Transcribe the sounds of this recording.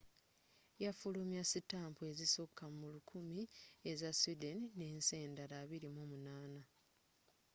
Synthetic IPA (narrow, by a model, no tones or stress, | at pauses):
jafulumjasitaːmpue̞zisokʰːamulukʰumie̞zasudenineːnseːndaɾaːβiɾimoːmunaːna